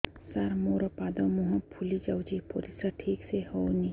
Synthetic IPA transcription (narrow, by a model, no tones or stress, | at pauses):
sɐɾmoːɾɐpaːd̪ɐmuɦɐ̃pʰulid͡ʒawd͡ʒipʰoɾisaʈʰiːksehoni